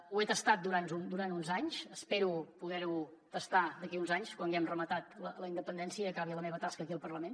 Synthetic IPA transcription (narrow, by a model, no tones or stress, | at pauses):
uet̪əst̪at̪̚d̪uɾant̪und̪uɾant̪unzaɲsəspeɾupuðɛɾu | t̪əst̪ad̪əkiunzaɲskwaŋɡɛmrəmət̪at̪lələind̪əpənd̪ɛnsiəːkaβiələmeβət̪askəːkiəlˠpərləmen